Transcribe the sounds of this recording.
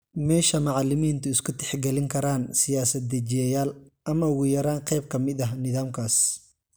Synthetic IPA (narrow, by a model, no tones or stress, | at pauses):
mɛːʃɐmɑʕɑlɪmiːnt̪ʰʊɪskʰʊt̪ʰɛ̥ħɡɛlɪŋkʰɐɾaːnsɪjaːsɐd̪ɐt͡ʃɪjɛjaːlʔɐmɐʊɣʊjɐɾaːnqɛjb̚kʰɐmɪd̪ɐɦnɪðaːmkʰaːs